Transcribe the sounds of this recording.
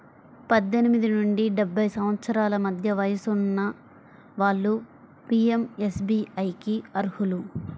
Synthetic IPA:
pɐd̪ːenimid̪inuɳɖiɖebʱːɐjsɐmʋɐt̪sɐɾaːlɐmɐd̪ʱjɐʋɐjɐsunːɐ | ʋaːɭːu | piemesbiːɐjkiɐɾhulu

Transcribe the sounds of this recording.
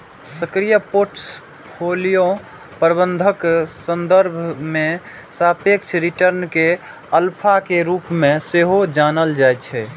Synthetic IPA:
səkɾijəpoɾʈs | pʰolijo | pɾəbə̃nd̪ʱəksənd̪əɾbʱme | sapekt͡ʃʰɾiʈəɾnke | əlpʰakeɾupmeseɦod͡ʒanəld͡ʒajt͡ʃʰɛ

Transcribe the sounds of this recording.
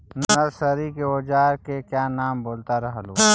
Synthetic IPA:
nnəsəɾikeoːd͡ʒaːɾkekjaːnaːmboːlt̪aɾəɦəluː

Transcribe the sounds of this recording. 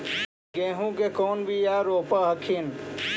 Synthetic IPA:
ɡẽːɦũkekoːnbʱijaːɾoːpaɦɐkʰin

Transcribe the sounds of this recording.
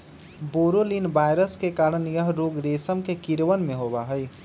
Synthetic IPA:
boɾolinbajɾəskekaɾənjəɦɾoɡɾesəmkekiɾʋənmeɦobaɦəj

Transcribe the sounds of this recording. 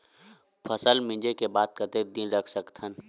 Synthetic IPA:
pʰəsəlmɪ̃d͡ʒekebaːd̪̚kɐt̪eːb̚d̪iːnɾəkʰsəkt̪ʰən

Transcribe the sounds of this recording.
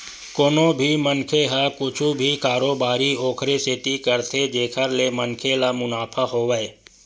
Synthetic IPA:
koːnobʱimənkʰeɦakʊt͡ʃʰubʱikaːɾoːbaːɾioːkʰɾeseːt̪ikəɾt̪ʰed͡ʒeːkʰəɾlemənkʰelamʊnaːpʰaɦoːʋɛe

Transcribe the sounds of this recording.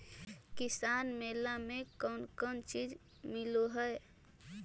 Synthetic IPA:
kɪsaːnmeːlamẽkɔːnkɔnt͡ʃiːd͡ʒ | mɪloɦəe

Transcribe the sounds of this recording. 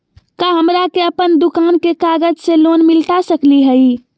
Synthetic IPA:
kaɦəmɾakeəpənd̪ukankekaɡəd͡ʒselonmilʈ̪asəkliɦəi

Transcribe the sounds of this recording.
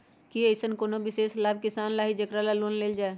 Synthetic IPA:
kiesənkoːnobɪseːslaːb̚kɪsaːnlaːɦid͡ʒɐkɾalaloːnleːld͡ʒaːe

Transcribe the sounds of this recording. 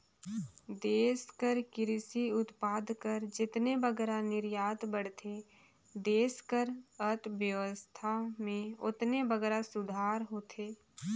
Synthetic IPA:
d̪eːskəɾkɪɾɪsiʊt̪paːd̪ʱkəɾd͡ʒɪt̪nebəɡɛːɾanɪɾjaːt̪bəɽ̤t̪ʰe | d̪eːskəɾət̪ʋjəʋəst̪ʰamẽʊt̪nebəɡɛːɾasʊd̪ʱaːɾɦoːt̪ʰeː

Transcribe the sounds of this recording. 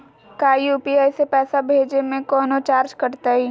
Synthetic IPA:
kaːjuːpiaːɪsepɛːsabʱeːd͡ʒemẽkɔːnot͡ʃaːɾd͡ʒkɐɾt̪aɦi

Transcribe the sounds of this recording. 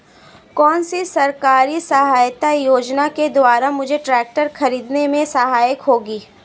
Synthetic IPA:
kɔːnsisɐɾkaːɾisɐɦaːjt̪ajoːd͡ʒnaked̪waːɾamʊd͡ʒʱeʈɾɛːk̚ʈəɾxɐɾiːd̪nemẽsɐɦaːjəkɦoːɡiː

